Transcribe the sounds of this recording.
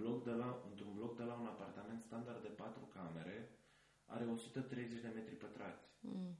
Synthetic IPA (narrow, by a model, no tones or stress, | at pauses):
lokd̪elaɨnt̪ɾunblo̞k̚d̪e̞launapart̪ame̞nt̪st̪and̪ard̪ːe̞pat̪ɾukame̞ɾe̞ | a̰ɾe̞o̞sut̪ət̪ɾe̞jze̞t͡ʃʲd̪e̞me̞t̪ɾipət̪ɾat̪sʲ